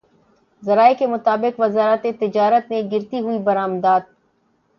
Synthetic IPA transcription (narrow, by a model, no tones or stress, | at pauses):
zɐɾaːekemʊt̪aːbɪqʋɐzaːɾət̪et̪ɪd͡ʒaːɾət̪mẽɡɪɾt̪iɦuibɐɾaːmd̪aːd̪̚